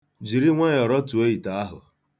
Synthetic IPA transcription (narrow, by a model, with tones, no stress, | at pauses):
d͡ʒi˨ɾi˦ŋʷe˦jɔ˨ɾɔ˦tu˨e˦i˨ta˨a˦ɦʊ̰˨